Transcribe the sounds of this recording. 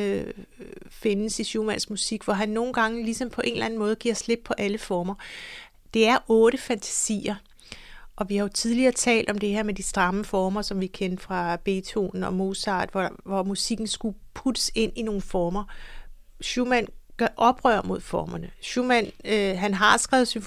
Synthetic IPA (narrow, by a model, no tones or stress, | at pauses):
ø | fe̝nəsiɕumænsmusiɡ̥ʋɒɦænːo̝ːn̩ɡ̥ɑ̈ŋəlisɒ̽mpʰɒ̽ʔe̝̰ːnlæn̩mɔ̽ːð̞̩ˠɡ̥iɐsle̝b̥̚pʰɒ̽ʔæləfɒːmɐ | d̥e̝æɐʔɔ̽ːɾ̥əfænt͡sʰæ̥sḭːɐ | ʔɒ̽ʋihɑ̈jo̝t͡sʰið̞ˠliɐːt͡sʰɛ̰ːld̥ɒ̽md̥e̝he̝ɐ̰med̥isd̥ʁɑ̈məfɒːmɐsɒ̽mʋikʰend̥fʁɑ̈b̥e̝ːt͡sʰo̰n̩ɒ̽mo̝sɑ̰̈ːd̥ʋɒʋɒmusiɡ̥n̩sɡ̥upʰud̥əse̝n̰ino̝ːn̩fɒːmɐ | ɕumænɡ̥ʔɒ̽b̥ʁœɐ̰mo̝ð̰ˠfɒːmɐnəɕumænɦænɦɑ̈sɡ̥ʁɛ̰ːʊðˠsynf